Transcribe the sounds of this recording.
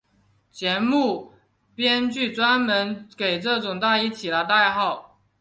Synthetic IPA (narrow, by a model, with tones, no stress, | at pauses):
t͡ɕjɛ˧˥mu˥˩ | pjɛ˥nt͡ɕy˥˩t͡swa˥nmə˧˦nke˨˩ɪʈ͡ʂɤ˥˩ʈ͡ʂʊ˨˩ŋt̪a˥˧i˥t͡ɕʰi˨˩lə˦t̪a˥˧ɪxɑ˥˩ʊ